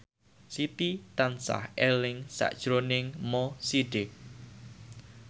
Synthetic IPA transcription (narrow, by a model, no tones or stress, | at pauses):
sit̪it̪ansa̰helɪŋsa̰ʔd̥ʒ̥ɾonɪŋmɔsiɖɪk̚